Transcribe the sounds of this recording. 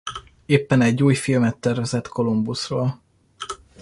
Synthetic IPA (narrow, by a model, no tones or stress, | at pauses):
eːpːɛnɛɟːuːjfilmɛt̪ːɛrvɛzɛt̪ko̞lumbusroːl